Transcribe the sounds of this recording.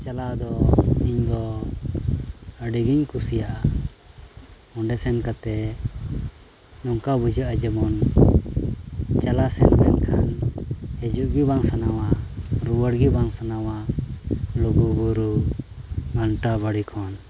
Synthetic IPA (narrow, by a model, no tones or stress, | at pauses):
t͡ʃalad̪ɔiɲd̪ɔ | əɖiɡiɲkusijaʔa | ɔɳɖɛsɛnkat̪ɛ | nɔŋkabud͡ʒəʔad͡ʒɛmɔn | t͡ʃalasɛ̰nkɛ̰nkʰanhɛd͡ʒuʔɡibaŋsanawaɾuwəɽɡibaŋsanawa | luɡubuɾu | ɡanʈabəɽikʰɔn